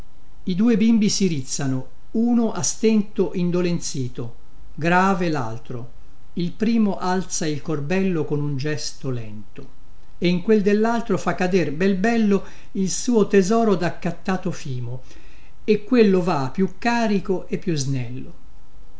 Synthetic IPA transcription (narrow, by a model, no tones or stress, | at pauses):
id̪uːebimbisiɾit̪sːano | uːnoʔast̪ɛnt̪oʔind̪olent̪siːt̪o | ɡɾaːvela̰lt̪ɾo̰ | ilpɾiːmoʔalt̪sailkorbɛlːokonund͡ʒɛst̪olɛ̰nt̪o | eiŋkweld̪elːalt̪ɾofakːad̪erbɛlbɛlːo | ilsuːot̪ezɔːɾod̪akːat̪ːaːt̪ofiːmo | ekːwelːovapːjukːaːɾikoʔepːjuznɛlːo